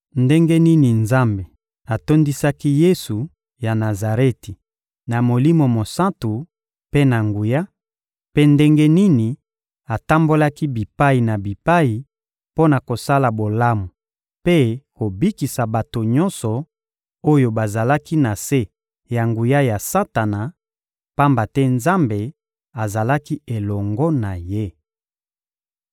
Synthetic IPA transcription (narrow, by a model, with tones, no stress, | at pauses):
nde˦ŋɡe˦ni˦ni˨nza˦mbe˨ | a˨to˦ndi˦sa˦ki˦je˦su˨ | ja˨na˨za˨ʁe˦ti˨ | na˨mo˨li˦mo˨mo˨sã˦ntu˨ | pe˦na˨ŋɡu˨ja˦ | pe˦nde˦ŋɡe˦ni˦ni˨ | a˨ta˦mbo˦la˦ki˦bi˨pa˦i˨na˨bi˨pa˦ji˨ | po˦na˨ko˨sa˦la˨bo˨la˦mu˨ | pe˦ko˨bi˦ki˨sa˨ba˨to˨ɲɔ˦nsɔ˨ | o˦jo˨ba˨za˨la˦ki˦na˨se˦ | ja˨ŋɡu˨ja˦ja˨sa˦ta˨na˨ | pa˦mba˨tɛ˦nza˦mbe˨ | a˨za˨la˦ki˦e˨lɔ˨ŋɡɔ˦na˨je˦